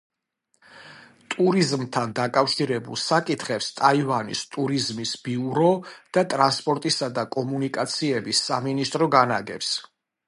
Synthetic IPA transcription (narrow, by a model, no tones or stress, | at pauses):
t̪ʼuɾizmt̪ʰand̪akʼafʃiɾɛbṵlˠsakʼit̪ʰχɛpst̪ʼaivanḭst̪ʼuɾizmisb̥iuɾɔd̪̥at̪ʼɾanspʼɔɾt̪ʼisad̪akʼɔmunikʼat̪sʰiɛbisːaminist̪ʼɾɔɡanaɡɛ̰ps